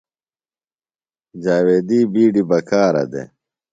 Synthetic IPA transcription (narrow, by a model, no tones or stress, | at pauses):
d͡ʑaːweːd̪iːbiːɖibɐkʰaːɾɐ̰d̪ḛ